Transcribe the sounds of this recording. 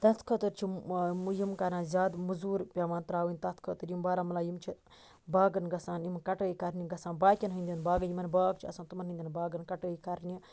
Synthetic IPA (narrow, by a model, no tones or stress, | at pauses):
t̪ɐt̪ʰkʰət̪ɨɾt͡ʃʰijimkaɾaːzʲjaːd̪mɨzuːɾpʲaːmaːnt̪ɾaːʋɨnʲt̪ɐt̪ʰkʰət̪əɾjimbaːɾaːmɐlaːjimt͡ʃʰi | baːɡɐnɡɐsaːnjimkɐʈəːjikɐɾniɡɐsãːnbaːkʲɐnɦund̪ɐnbaːɡɐjimɐnbaːɡt͡ʃʰiɐ̰sãːt̪umɐnɦɨ̃nd̪ʲinbaːɡɐnkɐʈəːjikɐɾni